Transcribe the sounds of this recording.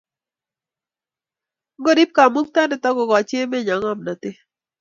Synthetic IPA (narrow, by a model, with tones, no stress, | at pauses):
ɡo˦ɾi˦p̚ka˨mu˦k̚t̪a˦ne˨t̪a˦ɡo˨ɡa˨t͡ʃe˦me˦ɲa˨ŋa˦˨mna˨t̪ɪ˦